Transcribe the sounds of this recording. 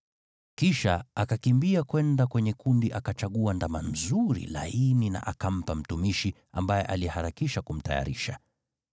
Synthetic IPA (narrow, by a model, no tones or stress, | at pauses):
kiʃaakakimbiakwɛndakwɛɲɛkundiʔakat͡ʃaɠuandamam̩zuɾḭla̰inina̰ʔakam̩pam̩tumiʃi | a̰mbajɛ̰ʔaliɛhaɾakiʃakum̩ta̰ja̰ɾiʃa̰